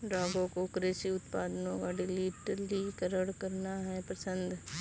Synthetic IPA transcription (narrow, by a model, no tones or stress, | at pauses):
ɖaːɡõkokɾeːʃiʊt̪paːd̪ənõkaɖɪliːʈlikəɾəɽkɐɾnaɦɛpɐsə̃nd̪ʱ